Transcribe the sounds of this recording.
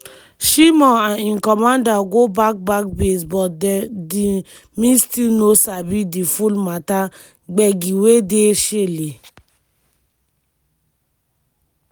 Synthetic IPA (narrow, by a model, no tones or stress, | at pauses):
ʃimɔaninkɔmãndaɡobak̚bakbesbɔdɛdi | mistinosabidifulmata | ɡ͡bɛɡiwedeʃele